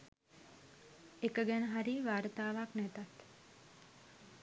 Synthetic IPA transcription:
ekəɡɛnəɦaɾiːʋaːɾət̪aːʋaknɛt̪at̪

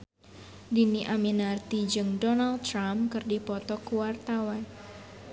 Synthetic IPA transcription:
diniʔaminart̪id͡ʒɨŋdɔnalɾamkɨrdipɔt̪ɔkuwart̪awan

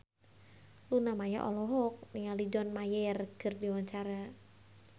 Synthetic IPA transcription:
lunamaja̰ʔɔ̰lɔɦɔk̚niŋalid͡ʒɔnmajɛrkɨrdiwaɲt͡ʃaɾa

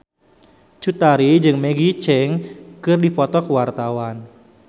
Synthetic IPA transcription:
t͡ʃut̪aɾid͡ʒɨŋmeɡit͡ʃɛŋkɨrdipɔt̪ɔkəwart̪awan

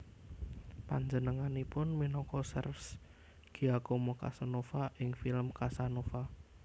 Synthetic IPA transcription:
pa̰ɲd͡ʒənəŋanipʊnminɔkɔsə̰rfs | ɡ̥iakomoka̰sanofaʔɪŋfilmkasanofa

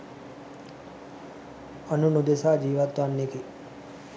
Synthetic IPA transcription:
ɐnunud̪esaːd͡ʒiːʋat̪wanːiki

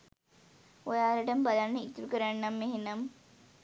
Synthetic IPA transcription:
ojaːlɐʈəmbalanːəit̪ːuɾukəɾaɳːamːeɦinɐm

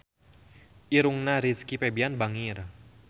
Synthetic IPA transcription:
ʔiɾuŋnaɾiskipɛbianbaŋir

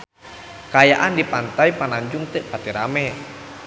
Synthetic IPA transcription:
kajaʔandipant̪aijpanaɲd͡ʒuŋt̪ɨʔpat̪iɾa̰mɛ

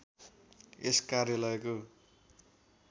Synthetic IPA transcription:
eskarjalʌjko

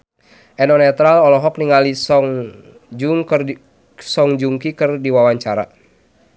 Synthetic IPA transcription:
ʔɛnɔnɛt̪ɾalɔlɔɦɔkniŋalisɔŋ | d͡ʒuŋk | sɔŋd͡ʒuŋkikɨrdiwawaɲt͡ʃaɾa̰

